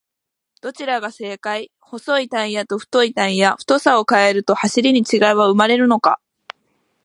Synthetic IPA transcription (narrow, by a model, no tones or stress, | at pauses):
d̪̥o̞t͡ɕiɾaɡase̞ːkai | ho̞so̞it̪ãĩjat̪o̞ɸɯ̟̥t̪o̞it̪ãɰĩjaɸɯ̟̥t̪o̞sao̞kae̞ɾɯ̟t̪o̞haɕiɾʲiɲ̟it͡ɕiɡaiβaɯ̟maɾe̞ɾɯ̟no̞ka̰